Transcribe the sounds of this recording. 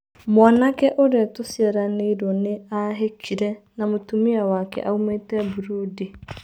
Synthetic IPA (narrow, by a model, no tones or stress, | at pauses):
mwanakɛʔoɾeatosiɛɾaneiɾwɔneaɦekʰiɾɛnamotumiawakɛ̰ʔaumetɛbuɾoːdi